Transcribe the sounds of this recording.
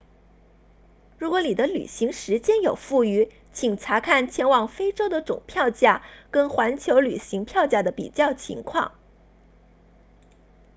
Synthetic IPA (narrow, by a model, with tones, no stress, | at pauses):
ɻu˧˥kwɔ˧˥ni˨˩d̪ə˦ly̰˨˩ɕi˧˥ŋʂɻ̩˧˥t͡ɕjɛ˥njo˨˩ʊfu˥˩y˧˥ | t͡ɕʰi˨˩ŋt͡sʰa˧˥kʰa˥˩nt͡ɕʰjɛ˥nwɑ˨˩ŋfe˥ɪʈ͡ʂo˥ʊd̪ə˨ʈ͡ʂʊ̰˨˩ŋpʰjɑ˥˧ʊt͡ɕja˥˩kə˥nxwa˧˥nt͡ɕʰjo˧˥ʊly̰˨˩ɕi˧˥ŋpʰjɑ˥˧ʊt͡ɕja˥˩d̪ə˩pḭ˨˩t͡ɕjɑ˥˩ʊt͡ɕʰḭ˧˥ŋkʰwɑ̰˥˩ŋ